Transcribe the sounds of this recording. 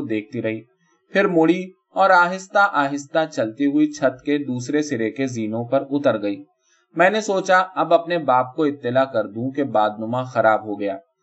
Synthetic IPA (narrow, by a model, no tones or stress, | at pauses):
d̪eːk̚ʰt̪iɾɐɦiː | pʰɪɾmʊɽi | ɔːɾaːɦɪst̪aʔaːɦɪst̪at͡ʃɐlt̪iɦʊit͡ʃʰɐt̪ked̪uːsɾesɪɾekeziːnõpɐɾʊt̪əɾɡɐiː | mɛ̃ːnesoːt͡ʃaɐbɐpnebaːp̚koɪt̪ːɪlakɐɾd̪ũkebaːd̪̚nʊmãxɐɾaːbɦoɡɐjaː